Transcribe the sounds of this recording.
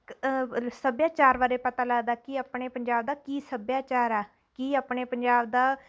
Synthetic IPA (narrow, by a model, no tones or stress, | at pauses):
səbjaːt͡ʃaːɾʋaːɾeːpət̪aːləːd̪aːkiaːpɳeːpəɲd͡ʒaːbd̪aːkiːsəbjaːt͡ʃaːɾɛː | kiːaːpɳeːpəɲd͡ʒaːbd̪aː